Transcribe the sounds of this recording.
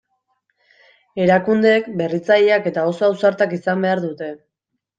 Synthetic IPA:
e̞ɾakund̪e̞kbe̞rit͡saʎeake̞t̪ao̞soawsaɾt̪akisambe̞aɾðut̪e̞

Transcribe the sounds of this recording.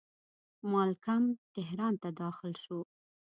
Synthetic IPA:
mɑlkamt̪ɪɦɾɑnt̪ad̪ɑxɪlʃu

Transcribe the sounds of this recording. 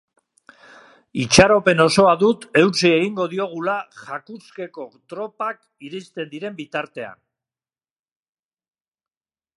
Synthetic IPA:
it͡ʃaɾo̞pe̞no̞so̞aðut̪e̞wt͡sie̞ɣiŋɡo̞ð̞io̞ɣ̞ulaʝakuske̞ko̞t̪ɾo̞pak | iɾist̪e̞nd̪iɾe̞mbit̪aɾt̪e̞a̰n

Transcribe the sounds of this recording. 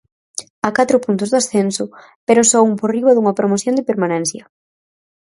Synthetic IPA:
akat̪ɾʊpunt̪ʊzðasθɛnsʊ | peɾosɔuŋporiβɐðuŋɐpɾomoθjond̪ɪpeɾmanɛ̃n̟θjɐ

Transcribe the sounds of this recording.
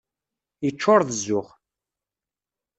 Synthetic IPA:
jət͡ʃːʊɾˤðəzːʊχ

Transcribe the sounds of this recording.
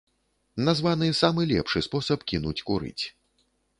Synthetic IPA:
nazvanɨsamɨlʲɛ̰pʂɨspɔsɐpkʲinut͡sʲkuɾɨ̰t͡sʲ

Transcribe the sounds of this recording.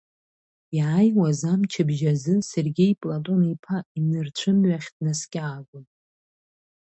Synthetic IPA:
iʕajwazamt͡ʃʰɪbʒazɨserɡʲejpʼlatʼo̞nipʰainɨrt͡ɕʷʰɨmɥaχʲdnaskʲʼaːɡɨnʼ

